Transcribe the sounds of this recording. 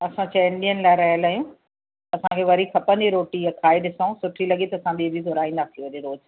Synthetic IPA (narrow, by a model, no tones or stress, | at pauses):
ɐsãt͡ɕɐɪɳɗijənlaːɾɐɦəlaːɦijũː | ɐsãkʰeːʋɐɾikʰɐpə̃nd̪iɾoːʈijakʰaːeɗɪsəũsʊʈʰɾilɐɠet̪ɐsãɗibid̪ʱoːɾaːĩːnd̪aːsiʋɐɾiɾoːd͡ʒ